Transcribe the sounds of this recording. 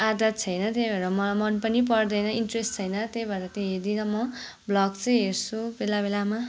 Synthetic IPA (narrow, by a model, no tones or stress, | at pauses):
ad̪at̪t͡sʰʌjnʌt̪ebʱʌɾʌmʌmʌnpʌnipʌrd̪ʌjnʌinʈresʈt͡sʰʌjnʌt̪ebʱʌɾʌt̪eɦed̪inʌmʌ | blʌkt͡sʌ̃ĩɦert͡sʰubelabelama